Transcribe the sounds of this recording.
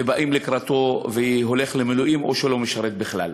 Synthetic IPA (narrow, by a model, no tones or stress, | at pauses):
ebaʔimlekɾat̪o̞veiɦo̞le̞χlemeluʔimʔo̞̰ʃelo̞meʃaɾet̪̚biχla̰l